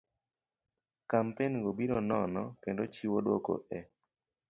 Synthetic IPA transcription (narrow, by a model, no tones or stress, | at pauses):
kampenɡobiɾonɔnɔkendot͡ʃiwodo̰ko̰ʔɛ